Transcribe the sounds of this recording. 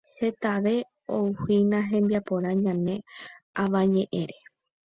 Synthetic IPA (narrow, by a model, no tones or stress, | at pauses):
he̞t̪aʋe̞ | owhinãɦẽ̞mbiapo̞ɾãɲãnẽ̞aʋãɲẽ̞ʔẽ̞ɾe̞